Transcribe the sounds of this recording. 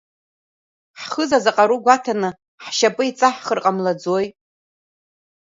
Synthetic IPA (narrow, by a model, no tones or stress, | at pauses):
ħχəzazaqʼaɾuɡʷatʰanɨ | ħʃapʼɨit͡sʼaħχərqʼamlad͡zojʼ